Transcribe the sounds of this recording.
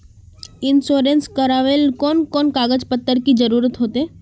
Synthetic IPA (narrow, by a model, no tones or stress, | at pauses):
ɪnsoːɾẽnskəɾaːʋelkoːnkoːnkaːɡəd͡ʒpət̪ːəɾkid͡ʒəɾuːɾət̪ɦoːt̪eː